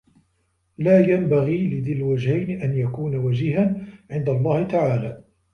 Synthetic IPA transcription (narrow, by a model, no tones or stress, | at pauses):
laːjambaɣiːlɪðɪlwad͡ʒhajnɪʔanjakuːnawad͡ʒiːhanʕɪnd̪alˤːɑːhɪt̪aʕaːlaː